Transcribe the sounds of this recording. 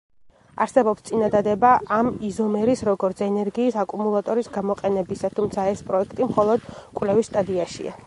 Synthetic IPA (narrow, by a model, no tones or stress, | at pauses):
a̰ɾsɛbɔpst̪sʼinad̪ad̪ɛbaʔamizɔmɛɾisɾɔɡɔɾt̪sʰɛnɛɾɡiːsakʼumulˠat̪ʼɔɾisɡamɔqʼɛnɛbisat̪ʰumt̪sʰaɛspʼɾɔɛkʰt̪ʼimχɔlˠɔd̪̥kʼwlɛvist̪ʼad̪iaʃḭa̰